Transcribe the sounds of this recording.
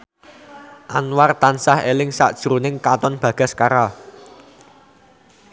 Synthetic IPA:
ʔanwart̪ansahelɪŋsa̰ʔd̥ʒ̥ɾunɪŋkat̪ɔnb̥ä̤ɡ̥a̤skaɾa

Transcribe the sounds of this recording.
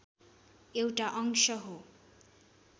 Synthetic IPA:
ewʈaʔʌŋsʌɦo

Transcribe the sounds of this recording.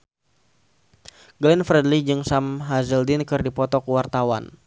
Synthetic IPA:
ɡlɛnfɾɛdlid͡ʒɨŋsamɦazəldɪnkɨrdipɔt̪ɔkəwart̪awa̰n

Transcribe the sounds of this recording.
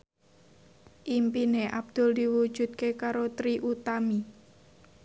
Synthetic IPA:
ʔimpineʔab̚d̪̥ʊ̤ld̪iwu̥ʒ̥ṳt̪̚kekaɾot̪ɾiʔut̪ami

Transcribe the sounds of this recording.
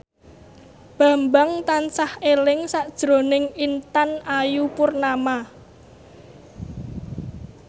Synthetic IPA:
b̥ä̤mbaŋt̪ansahelɪŋsaʔd̥ʒ̥ɾo̤nɪŋint̪anajupʊrnama

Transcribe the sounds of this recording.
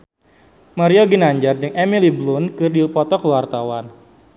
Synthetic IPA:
maɾioɡinaɲd͡ʒard͡ʒɨŋʔemiliblʊnkɨrdipɔt̪ɔkəwart̪awan

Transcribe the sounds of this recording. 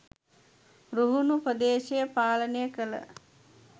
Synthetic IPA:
ɾuɦunupəd̪eːʃejəpaːlənəjəkələ̰

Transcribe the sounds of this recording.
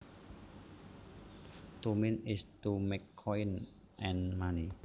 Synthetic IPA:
t̪umĩnistumekʰːɔjn | ʔɛ̃nmani

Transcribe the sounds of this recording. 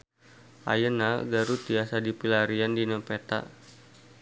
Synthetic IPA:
ʔa̰jənaɡaɾut̪iasadipilaɾiandinəpet̪a̰

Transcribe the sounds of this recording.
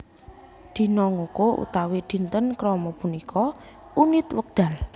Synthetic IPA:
d̪̥i̤nɔŋokoʔṵt̪awed̪̥i̤nt̪ənkɾɔmɔpunikʰɔ | unit̪wək̚d̪̥a̤l

